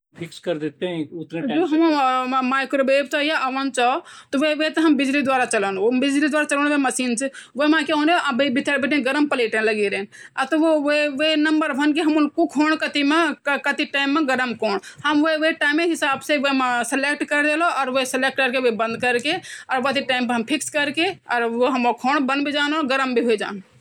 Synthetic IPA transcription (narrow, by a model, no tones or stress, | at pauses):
pʰɪkskəɾd̪et̪eɦɛ̃ʊt̪nd͡ʒoɦɐmmaɪkɾobeb̚t͡ʃɔjaʔəʋənt͡ʃɔt̪ɔʋeʋet̪eɦɐmbid͡ʒlid̪waːɾat͡ʃəlonbid͡ʒlid̪ʋaːɾat͡ʃəlɔnʋeməsiːnt͡ʃʰiʋomãkeõneʔabebit̪ʰəɽbeʈinɡəɾəmpəleʈẽləɡeɾenat̪ɔʋoʋʋenəmbəɾʋʱənk̬eɦɐmunkukʰoːɳ̃kət̪imekkət̪iʈaːɪmːeɡəɾəmkoːɳhəmʋoeʋeʈaɪmeɦɪsaːbseʋomãselek̚ʈkəɾd̪eːloɔːɾʋoeseleːk̚ʈkəɾkeʋobə̃nd̪kəɾkeɔːɾʋət̪iʈaːɪmpəɦəmpʰɪkskəɾkeɔːɾoɦɐmokʰoːɳbənbʱid͡ʒaːnɔːɾɡəɾəmbʱiɦoed͡ʒa̰ːn